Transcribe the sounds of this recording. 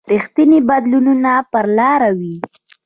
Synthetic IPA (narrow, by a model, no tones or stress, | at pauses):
ɾixt̪inibad̪lununapəɾlɑɾawi